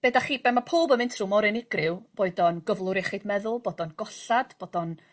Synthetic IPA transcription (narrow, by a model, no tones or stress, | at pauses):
b̥eːdaχiːbɛnmapʰoːbəmɪntʰrumɔɾɪnɪɡrɪwb̥oɨdɔnɡ̥əvlˠʊɾɛχɪdmɛðʊlˠboːdɔnɡɔɬad̥b̥oːd̥ɔn